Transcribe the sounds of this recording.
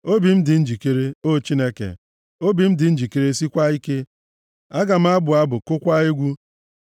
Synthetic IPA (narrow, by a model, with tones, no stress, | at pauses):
o˦bi˨m̩˦dɪ˨n̩˦d͡ʒi˨ke˦ɾe˦o˦t͡ʃi˦ne˦kḛ˨ | o˦bi˨m̩˦dɪ˨n̩˦d͡ʒi˨ke˨ɾe˦si˦kʷa˦i˦ke˦ | a˦ɡa˨m̩˦a˦bʊ˨a˦bʊ˨kʊ˦kʷa˦i˦ɡʷu˦